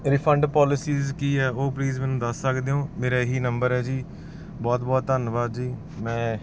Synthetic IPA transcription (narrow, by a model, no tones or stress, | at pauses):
ɾɪpʰəɳɖpɔːlɪsiːzkiːɛːʔoːpliːzmɛ̃ːnũːd̪əsːəkd̪eːɦõːmeːɾaːɦiːnəmbəɾɦɛːd͡ʒiː | bɔːt̪bɔːt̪ːənʋaːd̪d͡ʒiː | mɛ̃ː